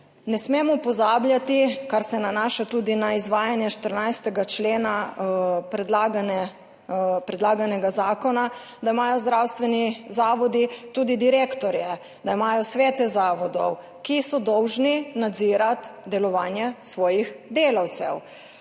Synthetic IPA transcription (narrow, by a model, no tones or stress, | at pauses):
nɛsmemɔpɔzaːblʲjat̪ikaɾsɛnanaːʃat̪uːd̪inaizʋaːjanjɛʃt̪əɾnajst̪ɛɡat͡ʃleːna | pɾɛd̪laːɡanɛ | pɾɛd̪laːɡanɛɡazaːkɔna | d̪aimaːjɔzd̪ɾawst̪ʋɛnizaːʋɔd̪it̪uːd̪id̪iɾeːkt̪ɔɾjɛ | d̪aimaːjɔsʋeːt̪ɛzaːʋɔd̪ɔ̰w | kisɔd̪ɔwʒninad̪ziːɾat̪d̪ɛlɔʋaːnjɛsʋɔːjixd̪eːlawt̪sɛw